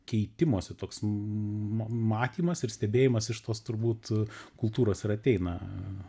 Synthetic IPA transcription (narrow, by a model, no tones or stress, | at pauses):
kʲɛɪt̪ʲɪmoɔsʲɛt̪oːks | mmɑːt̪ʲiːmɐsɪɾsʲt̪ʲɛbʲeːjɪmɐsɪʃt̪oːst̪ʊɾbuːt̪kʊlˠt̪uːɾoːsɪɾɐt̪ʲɛɪnɐ